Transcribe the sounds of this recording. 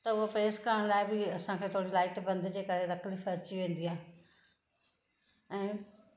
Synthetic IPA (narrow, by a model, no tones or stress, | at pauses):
t̪əʊopɾeːskəɳ̃laːibʱiəsãːkʰeːt̪ʰoːɽiːlaːɪʈbə̃nd̪d͡ʑeːkəɾet̪əkʰlifʰəɾt͡ʃiʋẽːnd̪iːaː | ɛ̃ː